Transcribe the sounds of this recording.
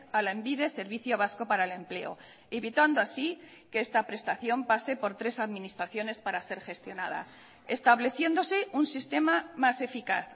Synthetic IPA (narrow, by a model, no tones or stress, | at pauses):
alaembiðe̞se̞ɾβ̞iθjo̞β̞asko̞paɾaele̞mple̞o̞̰ | eβit̪wand̪oasi | keest̪apɾe̞st̪aθjo̞mpase̞po̞ɾt̪ɾe̞saðmĩnist̪ɾaθjone̞spaɾase̞ɾxe̞st̪jo̞nað̞a̰ | est̪aβle̞θje̞nd̪o̞se̞unsist̪e̞mamase̞fikaθ